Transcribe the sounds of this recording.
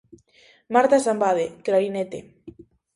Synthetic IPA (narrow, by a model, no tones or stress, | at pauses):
maɾt̪asambaðeklaɾinet̪e